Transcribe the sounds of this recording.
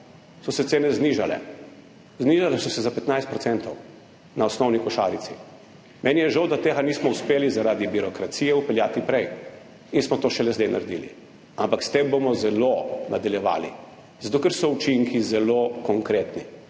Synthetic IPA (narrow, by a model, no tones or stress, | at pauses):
sɔsɛt̪seːnɛzniʒalɛ̰ | zniʒalɛsɔsɛzapɛt̪najst̪̚pɾɔt̪ɛnt̪ɔw | naɔsnɔwnikɔʃa̰ːɾit̪si | mʔɛːnijɛʒawd̪at̪eːɡaniːsmɔuspeːlizaɾaːd̪ibiɾɔkɾat̪sijɛupɛljaːt̪ipɾɛj | insmɔt̪oːʃɛlɛzd̪enʔa̰ɾd̪ḭlḭ | ampakst̪embomɔzɛlonad̪aljɛʋa̰ːlḭ | zat̪oːkɛɾsɔut͡ʃiŋkizɛlokɔŋkɾet̪ni